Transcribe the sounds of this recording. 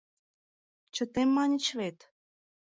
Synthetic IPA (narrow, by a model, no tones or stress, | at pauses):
t͡ɕə̆t̪emːɑnʲə̆t͡ɕβet̪